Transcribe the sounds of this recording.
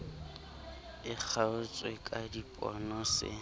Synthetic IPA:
ɪk͡xʰaʊt͡sʼwekʼadipʼɔ̰nɔsɪ̰

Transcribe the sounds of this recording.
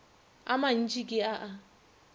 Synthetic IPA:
a̰man̩t͡ʃʼikʼɪaʔa

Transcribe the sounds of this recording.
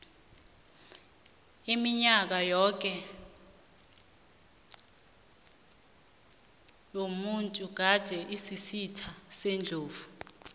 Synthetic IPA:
imiɲak̬ajɔk̬ʼɛ | jomuntʼuɡ̥̬add̥ʱɛʔisisitʰasend͡ɮʱoːvu

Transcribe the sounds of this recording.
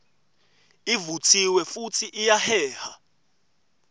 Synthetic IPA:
ivutʰiwɛfutʰiʔijahɛːha

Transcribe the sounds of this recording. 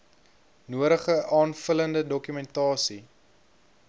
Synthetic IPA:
nuəɾəχəʔɑːnfələndədɔkymɛntɑːsi

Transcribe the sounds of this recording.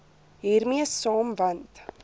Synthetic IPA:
ɦiːrmiəsːɑːmvɐnt

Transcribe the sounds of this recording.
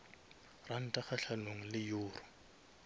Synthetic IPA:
ran̩tʼaχaɬanoŋ̩lɪjʊːrʊ̥

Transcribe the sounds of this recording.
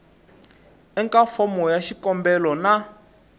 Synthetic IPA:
ɛŋkʼafɔmɔjaʃikɔmbɛlɔna

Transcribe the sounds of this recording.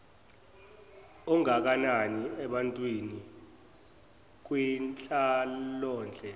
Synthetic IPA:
ɔŋak̬ananiɛɓantʼwini | k̬wint͡ɬʰʼalɔːnd͡ɮʱɛ

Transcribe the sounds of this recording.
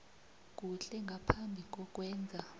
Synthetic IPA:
k̬ʼuɬɛŋɡʱapʰambʱik̬ʼɔk̬ʼwɛːnd͡zʱa

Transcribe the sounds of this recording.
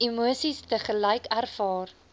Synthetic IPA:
imuəsistəχəlɐjkærfɑːr

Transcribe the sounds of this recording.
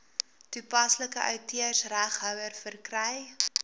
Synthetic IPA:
tupɐsləkəʔœɥtyərsræχɦœwərfərkrɛj

